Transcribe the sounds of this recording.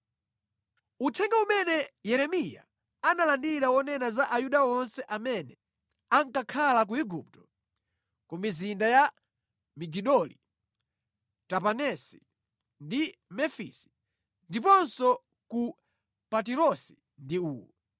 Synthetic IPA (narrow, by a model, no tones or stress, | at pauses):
utʰɛŋɡaumɛnɛjɛɾɛmija̰ | analandiɾawɔnɛnazaʔajuɗawɔnsɛʔamɛnɛ | aŋkakʰalak̬uiɡup̚tɔ̥ | kumizindaja | miɡiɗɔlḭ | tapanɛsi | ndimɛfḭsi̥ | ndipɔnsɔ | ku | pat̬iɾɔsi̥ | ndiuːɔ